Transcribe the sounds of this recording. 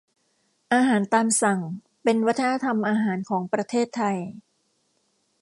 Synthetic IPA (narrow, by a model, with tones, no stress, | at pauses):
ʔaː˧ɦaː˩˦nt̪aː˧msa˨˩ŋ | pe˧nwa˦˥t̪ʰːa˧na˧˥t̪ʰa˧mʔaː˧ɦaː˩˦nkʰɔː˩˦ŋpɾa˧t̪ʰeː˥˩t̪ʰːa˧j